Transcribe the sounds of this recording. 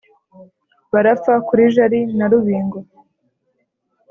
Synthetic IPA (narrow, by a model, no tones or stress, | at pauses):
βaɾap͡fakuɾiʒaɾinaɾuβiːŋɡo